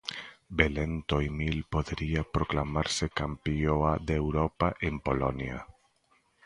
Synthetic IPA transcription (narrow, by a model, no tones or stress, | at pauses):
belent̪ojmilpoðeɾiapɾoklamaɾsekampioad̪ewɾopaʔempolonja̰